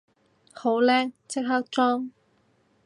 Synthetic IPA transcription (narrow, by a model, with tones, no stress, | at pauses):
ho˨˥wlɛː˥k̚t͡sʰɪ˥k̚ɦa˥k̚t͡sɔː˥ŋ